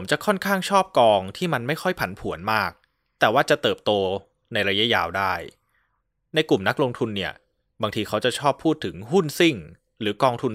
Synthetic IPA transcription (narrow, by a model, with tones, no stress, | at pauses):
pʰmt͡ɕa˨˩ʔkʰɔ˥˩nkʰaː˥˩ŋt͡ɕʰɔː˥˩p̚kɔː˧ŋt̪ʰiː˥˩ma˧nma˥˩jxʰɔ˥˩jpʰa˩˦npʰu˨˩˦ənmaː˥˩k̚ | t̪ɛː˨˩waː˥˩t͡ɕa˨˩t̪ɤː˨˩p̚t̪oː˧ | na˧jɾa˧ja˦˥jaː˧wdaː˥˩j | na˧jku˨˩mna˦˥k̚lo˧ŋt̪ʰu˧nːi˥˩ɐ | baː˧ŋt̪ʰiː˧kʰa˦˥wt͡ɕa˨˩t͡ɕʰɔː˥˩pʰːuː˥˩t̪ʰːɯ˩˦ŋɦu˥˩nsi˥˩ŋ | ɾɯː˩˦kɔː˧ŋt̪ʰu˧n